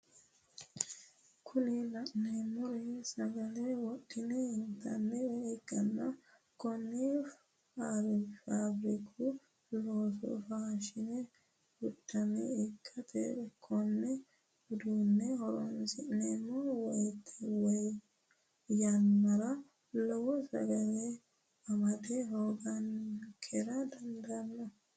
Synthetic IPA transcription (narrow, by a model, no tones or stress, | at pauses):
kʰʊnɪlɐʔneːmːɔɾɛsɐɡɐlewɔɗːɪnɛɪnt̪ʰɐnːɛɛɛkʼːɐnːɐ | kɔnːi | aɾɪfaːbɾikʰu | loːs̬ɔ̰faːʃɪnɛ | wʊdːɐnɛɛkʼːɐt̪ʰɛ̰ɛkʰɔnːɛ | ʊd̪uːnːɛhɔɾɔnsɪnɛmːɔwɐjt̪ʰːɛwɐj | jɐnmɐɾɐ | lɔwɔsɐ̰ɡɐle | ɐmɐt̪ɛhoːɡɐnkʰɛɾɐd̪ɐnd̪ɐɐnːɐ